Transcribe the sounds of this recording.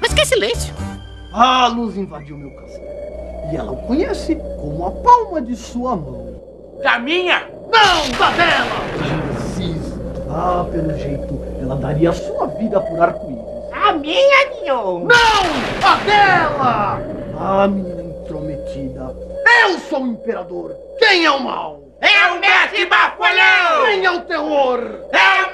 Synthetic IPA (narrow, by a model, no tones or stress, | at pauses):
maskɛsilẽsjʊ | aluzĩvad͡ʒiwmewkãsaɪɛlɐ̰ʊkõɲɛsɪkõmʊɐpawmɐd͡ʒɪsuɐmɐ̃w̃ | damĩɲɐ | nɐ̃w̃d̪adɛlɐʒensisapelʊʒejt̪ʊɛlɐd̪aɾiɐasuɐvid̪ɐpuɾaɾkõḭʊ | amĩɲɐmĩɲɐ̃nɐ̃w̃adɛlɐ | amĩɲẽt̪ɾomet̪id̪ɐewsowẽmpeɾad̪oɾ | kẽj̃ɛʊma̰w | ɛʊmɛkɪbakaʎakẽj̃ɛʊt̪eɦoɾɛ